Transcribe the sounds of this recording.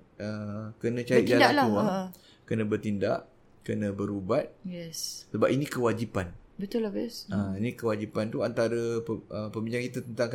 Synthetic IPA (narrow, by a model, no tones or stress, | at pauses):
əkənə̃t͡ʃaɾit̪̚d͡ʒalalauaŋ | kənə̃bərt̪inda̰ʔ | kənə̃bəɾubat̪̚jɛssəbap̚inĩkəwad͡ʒipanbət̪ʊlahb̪əinĩkəwad͡ʒipant̪uant̪aɾəəpəmbĩɲd͡ʒaŋkit̪at̪ənt̪aŋk